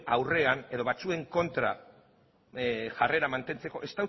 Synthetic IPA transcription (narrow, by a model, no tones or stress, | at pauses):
awre̞aneðo̞βat͡sue̞ŋko̞nt̪ɾa̰ | ʝare̞ɾamant̪e̞nt͡se̞ko̞ʔe̞st̪aw